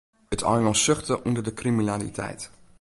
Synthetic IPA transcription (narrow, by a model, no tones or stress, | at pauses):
ətʰɔ̰lmalˠsøχtəʔundərdəkriminaːlḭtʰɛ̰jt